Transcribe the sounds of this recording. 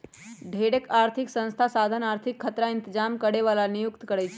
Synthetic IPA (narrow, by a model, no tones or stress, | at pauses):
ɖʱeɽekaɾt̪ʰiksə̃nst̪ʰasad̪ʱənaɾt̪ʰikʰːət̪ɾaɪ̃nt̪əd͡ʒamkəɽeʋalanijukt̪kəɽɛjt͡ʃʰe